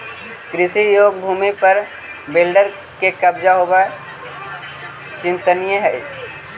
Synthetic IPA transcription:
kɾɪsijoːɡ̚bʱuːmipəɾ | bɪlɖəɾ | kekɐbd͡ʒaɦoba | t͡ʃɪ̃nt̪ənijəɦɛi

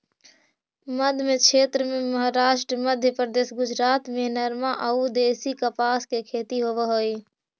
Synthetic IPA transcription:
məd̪ʱmẽkʃʰeːt̪ɾəmẽməɦaɾaːʃʈɾəməd̪ʱjəpɾəd̪eːsɡʊd͡ʒɾaːt̪mẽnəɾmaʔəud̪eːsikəpaːskekʰeːt̪iɦoʋeɦoːi

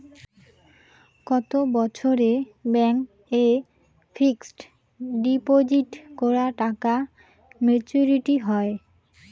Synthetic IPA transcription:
kɔt̪obɔt͡ɕʰoɾebɛŋk | e | fʰiksʈ | ɖipod͡ʑiʈkɔɾaʈaka | met͡ɕuɾiʈiɦɔe

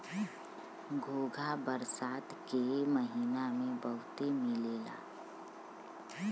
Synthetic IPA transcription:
ɡʱoːɡʱabəɾsaːt̪keməɦiːnamẽbəɦʊt̪emɪleːla̰ː

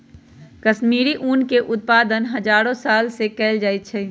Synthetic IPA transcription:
kɐʃmiːɾiʔuːnkeʔʊt̪̚paːd̪ənɦɐd͡ʒaːɾõsaːlsekɛːld͡ʒaːɪt̪̚t͡ʃʰɛː

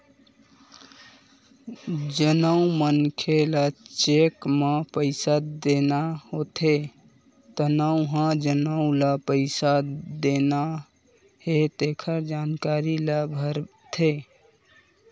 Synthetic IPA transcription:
d͡ʒənəũmənkʰelat͡ʃekmepəɪsad̪enahot̪ʰe | t̪ənauɦãd͡ʒənə̃lapəɪsad̪ena | het̪ekʰəɾd͡ʒankaɾiləbʱəɾ | t̪ʰe

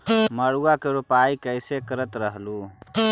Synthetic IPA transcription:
məɽuakeɾupaikəɪsekəɾət̪ɾəɦlu

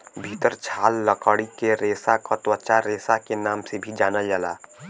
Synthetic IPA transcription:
bʱit̪əɾt͡ʃʰaːlːəkəɽikeɾeːsakət̪wət͡ʃaɾeːsakenaːmsebʱid͡ʒaːnəjaːla̰ː

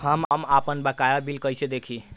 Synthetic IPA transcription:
həməmapənbakajabilkəjsed̪ekʰi

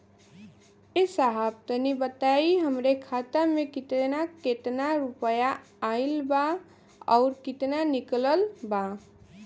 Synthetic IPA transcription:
esaɦəb̚t̪ənibət̪aiɦəmɾekʰat̪amekit̪naket̪naɾupəjaː | ilba | ɔʊɾkit̪nanikləlba

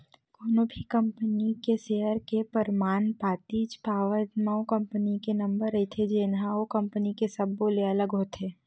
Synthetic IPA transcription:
koːnõbʱikɐ̃mpənikeseːɦəɾkepəɾmaːnpaːt̪iːd͡ʒpaːʋət̪maõkɐ̃mpənikenɐ̃mbəɾːɐet̪ʰed͡ʒeːnɦãokɐ̃mpənikesɐboleɐləɡɦoːt̪ʰeː

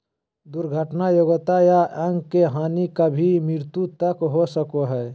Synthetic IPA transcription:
d̪ʊɾɡʱəʈnajoɡət̪ajaʔə̃ŋɡkeɦaːnikabʱimɾɪɾt̪ut̪əkɦosəkoɦɛː

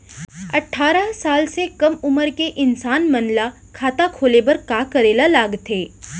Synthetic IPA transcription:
ɐʈʰːaːɾaɦsaːlsekɐmʊməɾkeʔɪnsaːnmənla | kʰaːt̪akʰoːlebəɾkaːkəɾeːlalaːɡt̪ʰeː

